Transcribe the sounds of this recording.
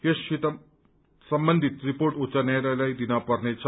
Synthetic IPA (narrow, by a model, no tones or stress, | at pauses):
jeɕit̪a | səmbənd̪ʱit̪ɾipoɾʈot͡ɕanajɾajlaid̪inapəɾnet͡ɕʰ